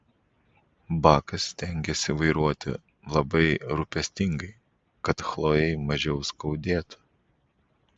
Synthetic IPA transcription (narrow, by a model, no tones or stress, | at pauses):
bɑːkɐsʲːt̪ʲɛŋʲɡʲɛsʲiʋɐɪɾuɔt̪ʲɪ̰ | lˠɐbɐɪɾʊpʲɛsʲt̪ʲɪŋɡɐɪ | kɐt̪xlˠoːjɛɪmɐʒʲɛʊskɐʊd̪ʲeːt̪ʊ̥